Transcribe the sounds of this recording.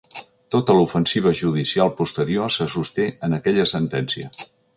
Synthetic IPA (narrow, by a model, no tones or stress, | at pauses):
t̪ot̪əlufənsiβ̞əʒuðisialˠpust̪əɾiosəsust̪eənəkɛʎəsənt̪ɛnsiə